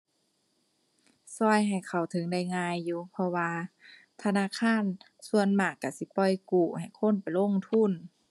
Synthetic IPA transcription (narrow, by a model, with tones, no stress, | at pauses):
sɔ˧˩jɦa˨˩jkʰa˨˩wt̪ʰɤ˨˦ŋda˧˩˨jŋaː˧˨jːuː˧˦pʰɔ˧waː˧ | t̪ʰa˧naː˧˥˨kʰaː˧˥˨n | su˧ənmaː˧˩kːa˧˩si˧˦pɔ˧˩jkuː˧˩ha˨˩jkʰo˧˥˨npa˨jlo˧˥˨ŋt̪ʰu˧˥˨n